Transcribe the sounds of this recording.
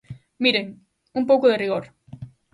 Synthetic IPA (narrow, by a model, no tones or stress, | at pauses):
miɾeŋ | umpowkʊðeriɣ̞oɾ